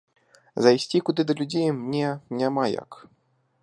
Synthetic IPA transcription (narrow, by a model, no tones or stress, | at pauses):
zajsʲt͡sʲikud̪ɨd̪ɐlʲud͡zʲejmnʲɛnʲamaja̰k